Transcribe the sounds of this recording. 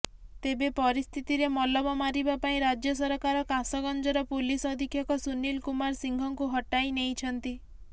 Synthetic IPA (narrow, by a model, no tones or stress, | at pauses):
t̪ebepɔɾist̪ʰit̪iɾemɔlɔbɔmaɾibapaĩɾad͡ʒjɔsɔɾɔkaɾɔkãsɔɡɔnd͡ʒɔɾɔpulisɔd̪ʱikʰjɔkɔsunilkumaɾsiŋɡʱɔŋkuɦɔʈajnejt͡ʃʰɔnt̪i